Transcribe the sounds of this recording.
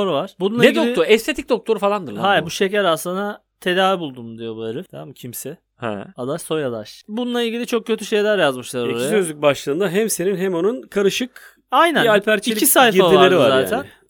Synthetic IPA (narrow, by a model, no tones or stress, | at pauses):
oɾuvaɾ̥bununˠeid̪ooɾɛst̪ʰe̞t̪ʰic̚d̪o̞k̚t̪ʰo̞ɾufalˠand̪ɯɾlˠaɦajɾbuʃe̞cæɾasˠɯna | t̪ʰe̞d̪aːvibulˠd̪umd̪ijo̞bueɾɯft̪ʰamamɯcʰimsɛ | hɛ̰ad̪aʃso̞jad̪a̰ʃbununˠailʲɟilʲit͡ʃʰo̞k̚cʰøt̪ʰyʃe̞jlʲæɾjazmɯʃlˠaɾioɾaijasø̞zlʲyc̚ʲbaʃlˠɯːnd̪aɦɛmseɾinɦɛmonunkʰaɾɯʃɯk | ajnænalʲpʰæɾieisajfiaalʲeɾivzaːt̪ʰæn